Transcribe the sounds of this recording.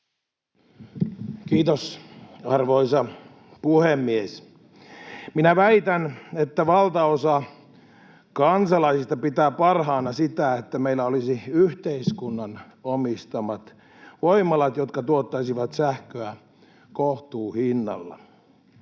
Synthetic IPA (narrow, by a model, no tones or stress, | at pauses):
kiːt̪osɑrʋoisɑ | puhemːies | minæʋæit̪ænet̪ːæʋɑlt̪ɑosɑ | kɑnsɑlɑisist̪ɑpit̪æːppɑrhɑːnɑsit̪æet̪ːæmeilːæolisiyht̪eiskunːɑn | omist̪ɑmɑt̪ | ʋoimɑlɑt̪jot̪kɑt̪uot̪ːɑisiʋɑt̪sæhkøæ | koht̪uːhinːɑ̰lːɑ̰